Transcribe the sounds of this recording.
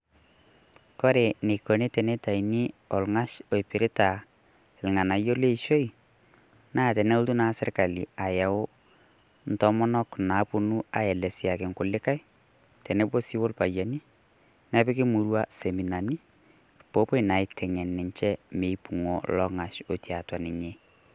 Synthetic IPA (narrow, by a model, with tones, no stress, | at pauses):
kɔ˦ɾe˨ne˨ko˨ne˦tɛ˨ne˦ta˨i˨ni˦ɔ˨lŋa˦ʃo˨i˨pɪ˨ɾɪ˦ta˨ | lŋa˨na˨jo˦le˦iʃo˦i˨ | naː˦˨tɛ˨nɛ˦ʊ˦ltu˦na˦sɪ˦rka˨li˨a˨jɛ˨ʊ˦ | n̩tɔ˦mɔ˦nɔ˦kna˨pu˦nu˦a˨jɛ˨lɛ˨sja˨kɪ˨ŋkʊ˨lɪ˦ka˦j | tɛ˨ne˦bo˦si˦wo˦lpa˨ja˨ni˦ | nɛ˦pɪ˦kɪ˦mu˨ɾwa˦se˨mi˨na˨ni˦ | po˦pe˦na˨ɪ˨tʰɛ˨ŋɛ˨nːɪ˨ɲt͡ʃɛ˦me˨ipu˨ŋɔ˨lɔ˦ŋa˨ʃo˨tja˨twa˨nɪ˨ɲe˦